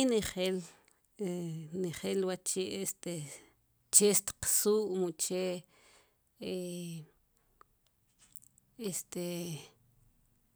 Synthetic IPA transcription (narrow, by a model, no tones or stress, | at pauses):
niχel | niχelwat͡ʃeʔest̪e | t͡ʃest̪qsuːʔmut͡ʃe | e | est̪e